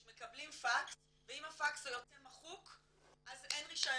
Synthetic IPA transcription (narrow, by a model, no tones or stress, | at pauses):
me̞kablimfaks | veimafaksajot͡semaχuk | ʔazenʁiʃa